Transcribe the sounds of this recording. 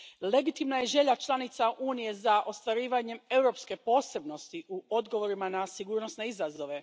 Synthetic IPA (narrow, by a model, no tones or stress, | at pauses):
le̞ɡit̪imnaje̞ʒe̞ʎat͡ʃlˠanit̪saʔuːnije̞zaʔo̞st̪ʋaɾiːʋaɲe̞me̞wɾo̞pske̞po̞ːse̞bno̞st̪iʔuo̞d̪ɡo̞ʋo̞ɾimanasiɡuːɾno̞sne̞izazo̞ʋe̞